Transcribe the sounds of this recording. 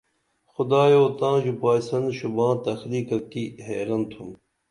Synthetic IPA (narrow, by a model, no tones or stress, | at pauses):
xʊd̪aːjoːt̪ãːʑupaːsɐnd̪ɕubãːt̪ɐxliːkɐkihḛːɾɐnt̪ʰum